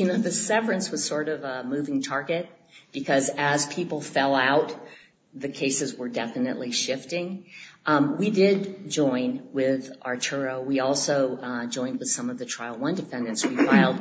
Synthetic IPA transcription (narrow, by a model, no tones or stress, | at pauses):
jɨnoʊðɨsɛvə˞ɨ̃nswʌz̥sɔɹɾʌvmʉvɪ̃ŋtʰɑɹɡɨt̚ | b̥ɨkʰʌzɨz̥pʰipl̩ˠfɛlˠaʊt̪̚ | ðɨkʰeɪsɨzwə˞dɛfɨnɨ̰ʔliʃɪftɪ̃ŋ | widɪd̚d͡ʒɔ̃ɪ̃nwɪðʔɑ̰ɹtʰə˞oʊwiɔlˠsoʊd͡ʒɔ̃ɪ̃nd̚wɨð̥sʌ̃mʌvðɨtʰɹ̥aɪlˠwʌ̃ndɨfɛ̃ndɨ̃nswifaɪl̩ˠd̥̚